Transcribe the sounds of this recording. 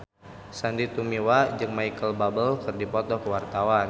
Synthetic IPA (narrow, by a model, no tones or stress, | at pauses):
sandit̪umiwad͡ʒɨŋmajkəlbabəlkɨrdipɔt̪ɔkəwart̪awan